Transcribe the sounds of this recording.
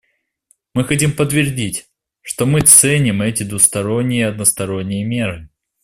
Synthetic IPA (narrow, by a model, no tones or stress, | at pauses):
mɨxɐtʲimpət̪vʲɪrdʲitʲ | ʂt̪o̞mɨt̪sɛnʲɪmɛtʲɪd̪vʊst̪ɐɾo̞nʲːɪjəɐd̪nəst̪ɐɾo̞nʲːɪjəmʲe̞ɾɨ